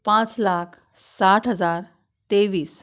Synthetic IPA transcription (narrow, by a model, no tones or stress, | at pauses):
pãt͡slakʰ | saʈɦəd͡zaɾ | t̪eʋiːs